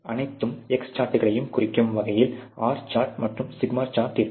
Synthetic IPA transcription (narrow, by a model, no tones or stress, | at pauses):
ɐnɐɪt̪ːɯmɛkst͡ʃaːɾʈːɯɣɐɭɐjɯmkʊrɪkːɯmʋɐɣɐjɪlaːɾt͡ʃaːɾʈ̚mɐʈrɯmsɪɡmaːɾt͡ʃaːɾʈːɪɾ